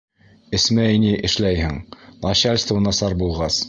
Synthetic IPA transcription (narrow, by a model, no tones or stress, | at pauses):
ɘ̆smæiniʔɘ̆ʃlæjhɘŋmˠɑɕalʲst̪ə̆wɤ̆nɑsɑɾbulˠʁɑs